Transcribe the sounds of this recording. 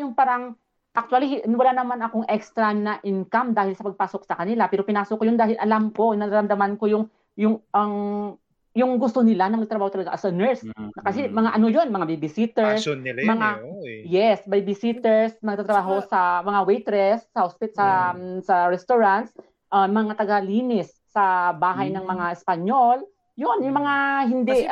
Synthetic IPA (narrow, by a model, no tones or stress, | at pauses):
jʊŋpaːɾɐŋ | ʔɐk̚t̪wɐlihnwɐlanɐmanɐkoŋʔɛkst̪ɾɐnɐʔɪnkamd̪aːhɪlsɐpɐɡ̚paːso̞k̚sɐkɐnɪlapɛːɾo̞pɪnaːsokojond̪aːhɪlʔɐlamko̞nɐɾaɾɐmd̪ɐmanko̞jʊŋ | jʊŋʔɐŋ | jʊŋɡʊst̪o̞nɪlanɐmɐɡ̚t̪ɾɐbaːhot̪ɐlɐɡaʔɐsɐnɛɹsɐkɐsɛmɐŋaʔɐnojo̞nmɐŋabɪbɪsit̪ɛɹsmɐŋajɛsbajbɪsit̪ɛɹsnɐɡ̪̚at̪ɾɐbaːɦo̞sɐmɐŋawɛjt̪ɾɛsːɐhospɪt̪sɐsɐɹɛst̪oɹant̪s | ʔɐmɐŋat̪ɐɡaliːnɪsːɐbaːɦɐjnɐŋmɐŋaʔɛspɐɲjol | jonjʊŋmɐŋaɦɪnd̪ɛ